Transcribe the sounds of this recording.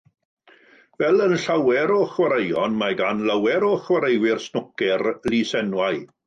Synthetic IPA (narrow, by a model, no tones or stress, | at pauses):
vɛlˠənɬawɛɾɔχwaɾejɔnmaɡanlˠawɛɾɔχwaɾejwɪrsnʊkɛrlisɛnwaj